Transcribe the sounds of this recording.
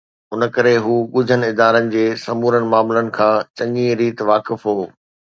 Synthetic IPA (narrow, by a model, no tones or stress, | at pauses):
ʊnə̆kɐɾeɦuːɠʊd͡ʑʱənɪɪd̪aːɾənɪ̆d͡ʑeːsɐmuːɾənɪ̆maːmlənɪ̆kʰãːt͡ɕɐ̃ŋɡĩɾiːt̪ʋaːkɪfɦoː